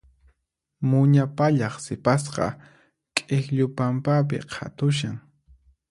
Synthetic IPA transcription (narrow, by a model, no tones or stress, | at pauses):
mʊɲapaʎɑχsɪpas̬qɑ̰ | kʼexʎʊpampap̬ɪ̰qʰa̰t̪ʊʃ̬aŋ